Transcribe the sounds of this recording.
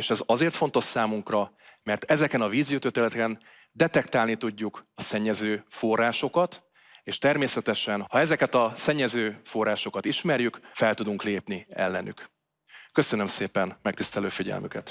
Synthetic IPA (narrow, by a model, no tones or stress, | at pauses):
eʃɛzɒzeːrt̪fo̞nt̪o̞ʃsaːmuŋkrɒ | mɛrt̪ɛzɛkɛnɒviːzjut̪øt̪eːlɛt̪ɛkɛn | d̪ɛt̪ɛkt̪aːlnit̪uɟːukɒsɛɲːɛzøːfo̞rːaːʃo̞kɒt̪ | eːʃt̪ɛrmeːsɛt̪ɛʃɛnhɒɛzɛkɛt̪ɒsɛɲːɛzøːfo̞rːaːʃo̞kɒt̪iʃmɛrjykfɛlt̪ud̪uŋkleːpniɛ̰lːɛny̰k | kːøsønømseːpɛnmɛkt̪ist̪ɛløːfiɟɛ̰lmy̰kɛ̰t̪